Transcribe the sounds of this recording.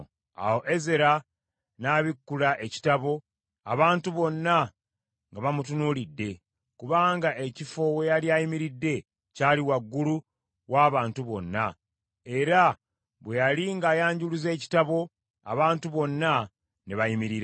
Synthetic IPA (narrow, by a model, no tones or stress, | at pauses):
a̰wo̞ʔe̞ze̞ɾa | naːβikːulaʔe̞ci̥taβo̞ | a̰βaːntuβo̞nːa | ŋɡaβamutunulidːe̞ | kuβaːŋɡaʔe̞cifo̞we̞jaliajimiɾidːe̞ | caːliwaɡːulu | waːβaːntuβo̞̰nːa | e̞ɾa | βwe̞jaliŋɡaːjaːɲɟuluze̞ːci̥taβo̞ | a̰βaːntuβo̞nːa | neβajimiɾiɾa